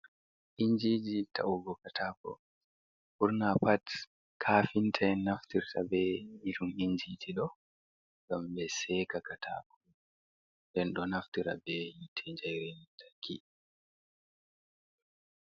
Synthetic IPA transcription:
ʔiɲd͡ʒid͡ʒitʰa̰uɡɔkatʰaːkɔ̰ | buɾnapat | kʰaːfintʰanaftiɾtʰabɛjiɗumiɲd͡ʒitʰiɗɔ | ŋɡambɛsɛːkakatʰa̰ːkɔ | ndɛnɗɔnaftiɾa̰bɛjitʰɛɲd͡ʒajɾɛntʰḁkʰːḭ

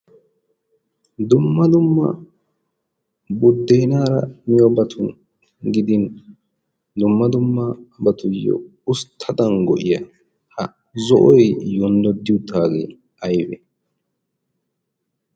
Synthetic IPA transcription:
d̪ʊmːɐd̪ʊmːɐ̰ | bʊd̪ːejnaːɾɐ̰mɪjɔbɐt̪ʰʊn | ɡɪd̪ɪn | d̪ʊmːɐd̪ʊmːɐbɐt̪ʊjːɔ̰ | ʊst̪ʰːɐd̪ɐŋɡɔʔɪjɐ | hɐ | zɔʔɔjjʊnd̪ɔd̪ɪjʊt̪aːɡḛː | ɐjbɛ̰

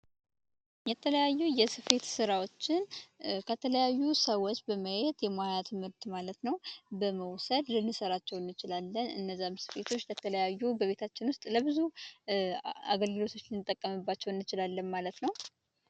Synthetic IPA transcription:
jɛt̪ʰələjajːujɛsɨfe̞t̪sɨɾawo̞t͡ʃːɪnkʰət̪ʰələjajːusəwot͡ʃːbəməjet̪ʼjɛmoajat̪ʰɨmɨɾt̪ʼmalət̪nəwbəməwsəd̪lɨnːɨsəɾat͡ʃːɛwɨnːɨt͡ʃɪlalːənɨ̰nːəzːamsɨ̥fe̞t̪ʰo̞t͡ʃːlɛt̪ʰələjajːubəβe̞t̪ʰat͡ʃːɪnwʊst̪ʼləbɨzu | a̰ɡəlɡɨlo̞t̪ʰo̞t͡ʃːlɨnɨt̪ʼːəkʼːəmɨbːat͡ʃːɛwɨnːɨt͡ʃɪlalːənmalət̪nəw

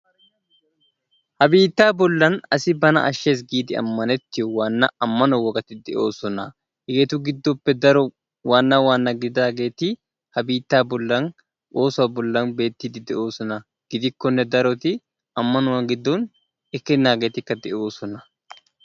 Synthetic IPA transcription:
hɐbiːt̪ːaːbɔlːɐnɐsɪbɐnɐ̰ʔɐʃːeːs̬ɡiːd̪ɪɐ̰mːɐnɛt̪ːɪjɔwaːnːɐɐmːɐnɔwɔkʼɐt̪ɪd̪ɛʔo̞ːsɔnɐ | ɪɡeːt̪ʊɡɪd̪ːɔpːɛd̪ɐɾɔ | waːnːɐwaːnːɐɡɪd̪aːɡe̞ːt̪ɪ | hɐbiːt̪ːaːbʊlːɐn | ʔoːsʊɐbʊlːɐnbe̞ːt̪ːiːd̪ɪd̪ɛʔo̞ːsɔnɐ | ɡ̥ɪd̪ɪkːɔnːɛd̪ɐɾɔt̪ɪ | ɐmːɐnʊwɐŋɡɪd̪ːon | ɛkːɛnːaːɡe̞ːt̪ɪkːɐd̪ɛʔo̞ːsɔnɐ

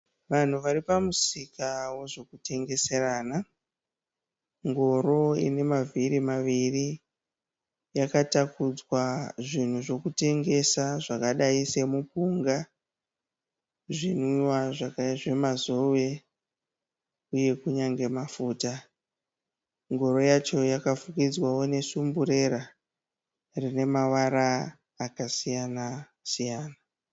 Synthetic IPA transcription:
ʋan̤uʋaɾipamusikawo̞ʐo̞kute̞ŋɡe̞se̞ɾaːna | ŋɡo̞ɾo̞ḭne̞mavʱiɾimaʋiri | jakatakud͡zwaʐin̤uʐo̞kute̞ŋɡe̞saʐakaɗaise̞mupuŋɡa | ʐin̤iwaʐakʐe̞mazo̞we | uje̞kuɲaŋɡe̞mafuːta | ŋɡo̞ɾo̞jat͡ʃo̞jakafukid͡zwawo̞ne̞sumbuɾe̞ɾa | rine̞mawaɾaː | kasijana | sijaːna

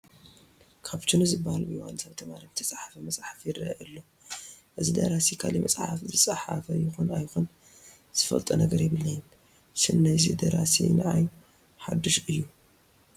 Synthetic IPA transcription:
kʰaβt͡ʃʰɨnuzɨbːahalbɨwa̰nsaβt̪ʰɐmaɾibɨt̪ʰɐsʼaħḁfɐmɐsʼħafjɪrɐʔɨlːo | ʔɨzid̪ɐ̰ɾasikʰa̰limɐt͡sʼħafzɨt͡sʼaħafɐjɪxonajxon | z̥ɨfɐ̰lt̪ʼɐnɐɡɐɾjɪβɨlːɐjɪn | sɨnːajzid̪ɐɾasḭnɨʕaj | ħad̪ːɨʃɨjːu

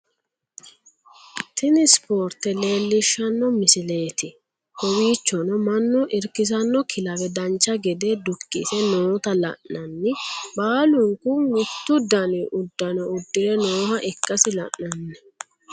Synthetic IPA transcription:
t̪ɪnɪspo̞ːɾt̪ɛle̞ːlːɪʃːɐnːɔmɪsɪle̞ːt̪ɪ | hɔwiːt͡ʃːɔnɔmɐnːɔʔɪɾkɪs̬ɐnːɔkʰɪlɐwɛd̪ɐnt͡ʃːɐɡɛd̪eːd̪ʊkʼːḭsɛnoːt̪ɐlɐ̰ʔnɐnːɪbaːlʊŋkʊmɪt̪ːʊd̪ɐnɛʔʊd̪ːɐnɔʊd̪ːɪɾɛnoːhɐʔɛkʼːɐsɪlɐ̰ʔnɐnːɛ

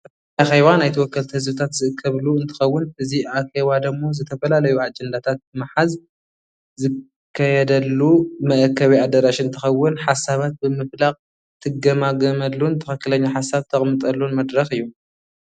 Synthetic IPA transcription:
axeβanajt̪ʰɨwɔkːɐlt̪hɨzbɨt̪ʰat̪zɨʔɨkʰːɐβluɨnt̪ʰɨ̥xɐwːʊnɨziʔaxeβad̪ɐmːo̞zɨt̪ʰɐfɐlalɐjuad͡ʒɛnd̪at̪ʰat̪̚bɨmaħaz | zɨ | kʰːajɛd̪ɐlːumɐʔkʰːɐβiad̪ɐɾaʃɪɨnt̪ʰɨxɐwːʊnħasaβat̪̚bɨmɨflaqʼ | t̪ʰɨɡɐmaɡɐmɐlːunt̪ʰɨxɐkːɨlɐɲːaħasaβt̪ʰɐχʼmɨt̪ʼɐlːunmɐd̪ɾɐxɨjːu

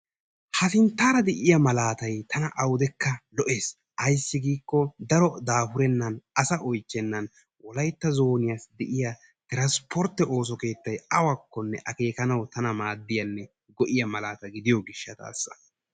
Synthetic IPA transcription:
hɐsɪnt̪ːaːɾɐd̪ɛʔɪjɐmɐlaːt̪ɐjt̪ʰɐnɐʔɐwd̪ɛkːɐlɔʔe̞ːs | ʔɐjsːɪɡiːkːɔd̪ɐɾɔd̪aːhʊɾɛnːɐnɐsɐʔɔjt͡ʃːɛnːɐn | wɔlɐjt̪ːɐzo̞ːnɪjɐsd̪ɛʔɪjɐ | t̪ɪɾɐspɔɾt̪ːɛʔo̞ːs̬ɔke̞ːt̪ːɐjɐwɐkːɔnːɛʔɐke̞ːkɐnɐwt̪ɐnɐmaːd̪ːɪjɐnːɛ | ɡɔʔɪjɐmɐlaːt̪ɐɡɪd̪ɪjɔɡɪʃːɐt̪a̰ːsːɐ̥̰

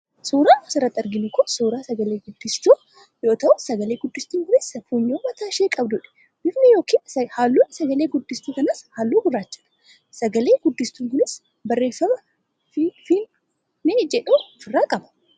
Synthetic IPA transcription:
suːɾaːsɪɾɐt̪ːɐɾɡɪnʊkɔsuːɾaːsɐɡɐle̞ːɡʊd̪ːɪst̪uː | jo̞ːt̪ɐʔʊsɐɡɐle̞ːɡʊd̪ːɪst̪uːŋkʊnɪsfuɲːoːmɐt̪aːʃeːkʼɐbd̪ʊᶑɛ̥ | bɪfnɛjo̞ːkiːnshaːlːuːnsɐɡɐleːɡʊd̪ːɪst̪uːkɐnashaːlːuːɡʊrːaːt͡ʃːɐᶑɐ̥ | sɐɡɐle̞ːɡʊd̪ːɪst̪uːŋkʊnɪs | bɐrːe̞ːfːɐmɐ | ffin | ned͡ʒɛᶑuːfɪrːaːkʼɐbɐ̥

